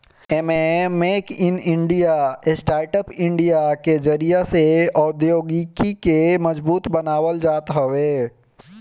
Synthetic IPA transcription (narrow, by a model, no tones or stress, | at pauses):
ememeːkɪnɪ̃ɳɖijaesʈaːɾʈəpɪ̃ɳɖijaked͡ʒəɾijaseɔːd̪joːɡikikemɐzbuːt̪bənaːʋəld͡ʒaːt̪ɦɐʋeː